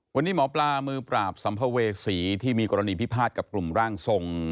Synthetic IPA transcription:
wa˧nːiː˦˥˩mɔː˩˦plaː˧mɯː˧pɾaː˨˩p̚sa˩˦mpʰa˧weː˧siː˩˦t̪ʰiː˥˩miː˧ko˧ɾa˧niː˧pi˦˥˩pʰaː˥˩t̪̚ka˨˩p̚klu˨˩mɾaː˥˩ŋso˧ŋ

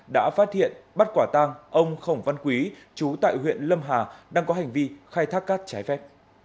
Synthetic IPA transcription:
ɗa̰ː˧˥faː˦˥t̚hḭ˧˨ənɓa˦˥t̚kwaː˧˩t̪aː˧ŋʔə˧wŋ͡mxə˧˩wŋ͡mva˧nkwi˨˦ | t͡ɕu˨˦t̪a̰ː˧˨jɦwḭ˧˨ənlə˧mɦaː˨˩ɗaː˧ŋkɔ˨˦ɦa˨˩jŋ̟vi˧xaː˧jt̪ʰaː˦˥kːaː˦˥k̚t͡ɕaː˨˦jfɛ˦˥p̚

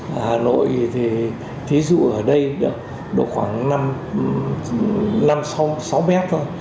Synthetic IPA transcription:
haː˨˩no̰˧˨jzi˨˩t̪ʰi˨˩ | t̪ʰi˨˦zṵ˧˨ʔəː˧˩ɗə˧jɗk̚ | ɗo̰˨˧˩xwaː˧˩ŋna˧m | na˧msa˨˦wsa˨˦wmɛ˦˥t̚t̪ʰo˧j

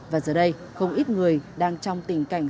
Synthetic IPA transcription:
vaː˨˩zəː˨˩ɗə˧j | xə˧wŋ͡mʔi˦˥t̚ŋɨ˨˩əjɗaː˧ŋt͡ɕɔ˧wŋ͡mt̪ï˨˩ŋ̟ka˨˧˩jŋ̟

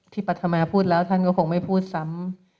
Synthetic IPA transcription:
t̪ʰiː˥˩pa˨˩t̪ʰːa˧maː˧pʰuː˥˩t̪̚lɛː˦˥wt̪ʰa˥˩nkɔː˥˩kʰoː˧ŋma˥˩jpʰuː˥˩t̪̚sa˦˥m

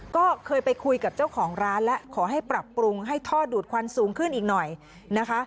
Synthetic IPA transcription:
kɔː˥˩kʰɤː˧jpa˧jkʰu˧jka˨˩p̚t͡ɕa˥˩wkʰɔː˩˦ŋɾaː˦˥nlɛ˦˥ʔkʰɔː˩˦ɦa˥˩jpɾa˨˩pːɾu˧ŋɦa˥˩jt̪ʰɔː˥˩duː˨˩t̪̚kʰwaː˧msuː˩˦ŋkʰɯ˥˩nʔiː˨˩k̚nɔ˨˩j | na˦˥kʰa˦˥ʔ

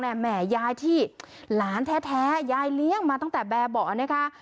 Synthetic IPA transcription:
nɛ˧˥˩mɛː˧˩jaː˧jt̪ʰiː˥˩laː˩˦nt̪ʰɛː˦˥t̪ʰɛː˦˥jaː˧jli˦˥əŋmaː˧t̪a˥˩ŋt̪ɛː˨˩bɛː˧bɔː˨˩na˦˥kʰa˦˥ʔ

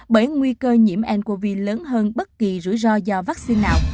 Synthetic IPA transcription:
ɓəː˧˩jŋwi˧kəː˧ɲḭ˧˩əmʔɛ˧˩nku˧˩əvḭ˧˨ləː˨˦nɦəː˧nɓə˦˥t̚ki˨˩zɨ̰˧˩əjzɔ˧zɔ˧vaː˦˥k̚si˧nːaː˨˩w

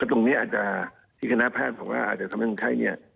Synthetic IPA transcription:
kɛː˧˩t̪o˧ŋni˦˥ʔaː˨˩t̪̚t͡ɕa˨˩ | t̪ʰiː˥˩kʰa˧na˦˥pʰɛː˥˩bɔː˨˦ŋwaː˧˥˩ʔaː˨˩t̪̚t͡ɕa˨˩a˧m˦˥˩kʰːt͡ɕʰa˦˥˩jni˦˥˩ɐ

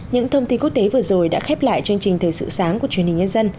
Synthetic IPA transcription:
ɲɨ̰˧˥ŋt̪ʰə˧wŋ͡mt̪i˧ku˦˥ək̚t̪e˨˦vɨ˨˩əzo˨˩jɗa̰ː˧˥xɛ˦˥p̚la̰ː˧˨jt͡ɕɨ˧əŋt͡ɕï˨˩ŋ̟t̪ʰəː˨˩jsɨ̰˧˨saː˨˦ŋkət͡ɕwi˧˩ənhï˨˩ŋɲə˧nzə˧n

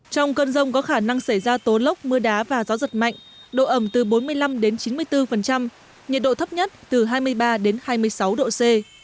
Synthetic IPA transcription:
t͡ɕɔ˧wŋ͡mkəː˧nzə˧wŋ͡mkɔ˨˦xaː˧˩na˧ŋsa˧˩jzaː˧t̪o˨˦lə˦˥wk͡p̚mɨ˧əɗaː˨˦vaː˨˩zaː˨˦zə˨˩t̚ma̰˧˨jŋ̟ | ɗo̰˧˨ʔə˧˩mt̪ɨ˨˩ɓo˨˦nmɨ˧əjla˧mɗe˨˦nt͡ɕi˨˦nmɨ˧əjt̪ɨ˧fə˨˩nt͡ɕa˧m | ɲi˨˩t̚ɗo̰˧˨t̪ʰə˦˥p̚ɲə˦˥t̚t̪ɨ˨˩ɦaː˧jmɨ˧əjɓaː˧ɗe˨˦nhaː˧jmɨ˧əjsa˨˦wɗo̰˧˨se˧

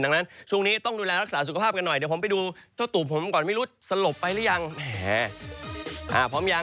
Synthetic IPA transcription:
nda˧ŋna˦˥nt͡ɕʰu˥˩˨ŋniː˦˥t̪ɔ˥˩ŋduː˧lɛː˧ɾa˦˥k̚saː˩˦su˨kʰa˧pʰaː˥˩p̚ka˧nːɔ˨˩jdɛː˨˦pʰo˩˦pa˧jduː˧t͡ɕʰa˥˩t̪uː˨˩p̚ʰːo˩˦m˩kɔː˨˩nma˥˩jɾu˦˥t̪̚sa˧lo˨˩pːa˧jlɛː˦˥ja˧ŋmɛ˧˩ | ʔaː˧˩pʰɔː˦˥mja˧

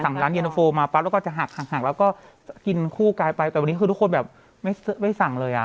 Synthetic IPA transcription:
sa˨˩˦ŋɾaː˦˥nji˧no˧foː˧maː˧pa˦˥lːkːt͡ɕa˨˩ɦa˨˩k̚haː˨˩k̚haː˨˩k̚lɛː˦˥wkɔː˥˩ | ki˧nkʰuː˥˩kaː˧jpa˧jt̪ɛː˨˩wa˧niː˦˥ɯː˧u˥ko˧nbɛː˨˩p̚ | ma˥˩jsɯ˦˥ma˥˩jsa˨˩˦ŋlɤː˧jʔa̰˨˩

